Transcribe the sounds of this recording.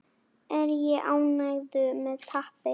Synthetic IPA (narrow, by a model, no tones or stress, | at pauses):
ɛɾjɛʔaːwnajðʏmɛːðt̪ʰahpɪ